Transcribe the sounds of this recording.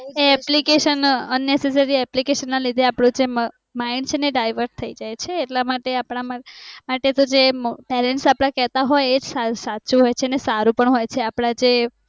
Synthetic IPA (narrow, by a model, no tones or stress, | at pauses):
eɛplikeʃənənːeses̬əɾiɛplikeʃənːalid̪ʱeapɽũd͡ʒem | maint͡ʃʰeneɖajʋəɾɖ̚t̪ʰəid͡ʒajt͡ʃʰeːʈlamaʈeapɽ̃amamaʈet̪od͡ʒepɛɾɛɳʈsapɽ̃ãkɛt̪aɦɔjed͡ʒsasat͡ʃũɦojt͡ʃʰenesaɾũpəɳɦojt͡ʃʰeapɽ̃ad͡ʒe